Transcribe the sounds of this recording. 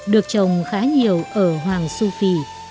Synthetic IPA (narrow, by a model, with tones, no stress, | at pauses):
ɗɨ˨˩ək̚t͡ɕə˨˩wŋ͡mxaː˨˦ɲi˨˩əwʔəː˧˩ɦwaː˨˩ŋsu˧fi˨˩